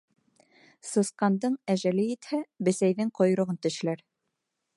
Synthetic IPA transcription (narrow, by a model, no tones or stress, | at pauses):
sɤ̆sqɑnd̪ɤɴæʒælɘit̪hæbɘ̆sæjðɘŋqŏj̆ɾŏʁɤnt̪ɵ̆ʃɘ̆læɾ